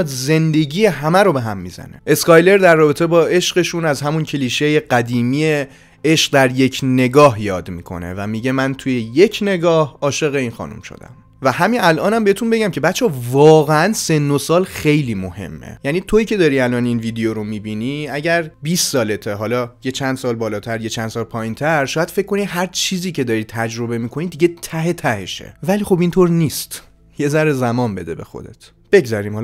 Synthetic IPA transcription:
d̪ze̞nd̪e̞ɟiːje̞ɦæmæɾobe̞ɦæmːḭzæ̰nḛʔe̞skɒjle̞ɾd̪æɾːɒːbe̞t̪ʰebɒːe̞ʃɢe̞ʃunæzɦæmuncʰe̞liːʃeje̞ɢæd̪iːmiːje | e̞ʃq̚d̪æɾje̞cʰne̞ɡɒːɦjɒːd̪mḭːkʰo̞̰nḛvæmiɟe̞mænt̪ʰujeje̞cʰne̞ɡɒːhɒːʃe̞ɣe̞iːnxɒ̰ːnṵmʃo̰d̪æ̰m | væhæminælʔɒːnæmbeet̪ʰunbe̞ɟæmcʰebæt̪t͡ʃʰɒvɒːɣeænse̞nːosɒːlxe̞jliːmohe̞̰mːḛjæniːt̪ʰoiːcʰe̞d̪ɒːɾiælɒːninvid̪eoɾo̞miːbiniæɟæɾbiːsːɒːlet̪ʰeɦɒlɒje̞t͡ʃʰænd̪sɒːlbɒːlɒːt̪ʰæɾje̞t͡ʃʰænd̪sɒːlpʰɒːjint̪ʰæɾʃɒːjæd̪̥fe̞c̚kːo̞niɦæɾt͡ʃʰiːziːcʰe̞d̪ɒːɾiːt̪ʰæd͡ʒɾo̞be̞miːkʰo̞niːd̪iɟe̞t̪ʰæɦe̞t̪ʰæhe̞̰ʃḛvæliːxo̞bint̪ʰoɾniːst̪ | je̞zæɾezæmɒːnbe̞d̪e̞bexo̰d̪et̪ʰ | b̥e̞ɡzæɾiːmh

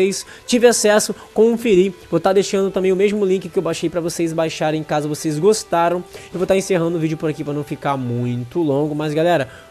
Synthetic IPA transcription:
ejs | t͡ʃivɪasɛsʊkõfiɾivot̪ad̪eʃɐ̃nd̪ʊt̪ɐ̃mbẽj̃ʊmezmʊlĩkɪkɪewbaʃejpɾɐvosejzbajʃaɾẽj̃kazɐvosejzɡost̪aɾɐ̃w̃ɪvot̪aɾẽseɦɐ̃nd̪ʊvid͡ʒʊpoɾakivonɐ̃w̃fikaɾmũj̃t̪ʊlõɡʊmɐzɡalɛɾɐ

